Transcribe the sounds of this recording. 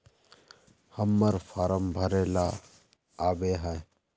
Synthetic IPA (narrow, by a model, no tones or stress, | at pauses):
həmːəɾfʰaːɾəmbʱəɾeːlaː | aːbeːɦə